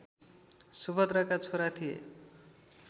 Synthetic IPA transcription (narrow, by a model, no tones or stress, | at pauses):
subʌd̪rakat͡sʰoɾat̪ʰijḛ